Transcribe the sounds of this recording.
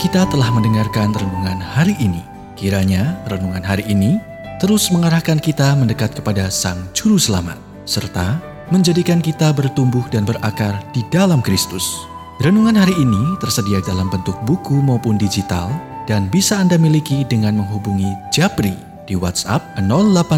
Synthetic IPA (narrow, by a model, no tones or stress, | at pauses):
kit̪at̪əlahməndəŋarkanrənuŋanhaɾiʔːni | kiɾaɲarənuŋanɦaɾiʔːni | t̪əɾʊsməŋaɾahkankit̪aməndəkat̪̚kə̥padasaŋd͡ʒuɾusəla̰ma̰t̪̚ | sərt̪a̰ | məɲd͡ʒadikankit̪abərt̪umbʊhdanbərʔakard̥idalamkɾist̪ʊs | rənuŋanɦaɾiːnit̪ərsədiadalambənt̪ʊk̚bukumaupʊndid͡ʒit̪a̰ld̥anbisaːndamilikidəŋanməŋɦubuŋid͡ʒapɾi | d̥iwa̰t̪sa̰p̚ənɔllːapa